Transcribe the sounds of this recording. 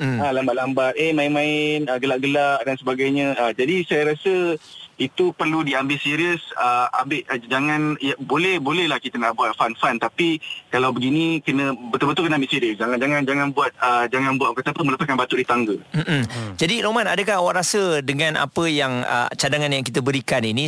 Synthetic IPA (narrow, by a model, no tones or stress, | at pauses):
alambaʔlambat̪̚emãɪnmãɪnəɡəlaʔɡəlaʔdansəbaɡajɲə̃əd͡ʒadisajaɾasəit̪upərludiambɪlsiɾiəsəa̰mbɪʔd͡ʒaŋãnjabolɛhbolɛhlahkit̪ənaʔbuat̪̚fanfant̪apikalawbəɡinĩkənə̃bət̪ubət̪ulkənəambɪʔsiɾiəsd͡ʒaŋand͡ʒaŋãnd͡ʒaŋanbuat̪̚əd͡ʒaŋãnbuat̪̚akat̪apəmələpat̪̚kanbat̪uʔdit̪aŋɡəm̩ʔm̩d͡ʒadiɾomanadəkaɦawaʔɾasədəŋãnʔa̰pəjaŋə̰t͡ʃadaŋanjaŋkit̪əbəɾikaninĩ